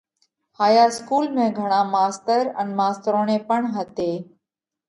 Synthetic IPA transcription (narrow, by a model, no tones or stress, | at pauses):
haːjaːskuːlmẽːɡʱəɽ̃ãːmaːst̪əɾə̰nmaːst̪əɾoːɳeːpəɳɦət̪eː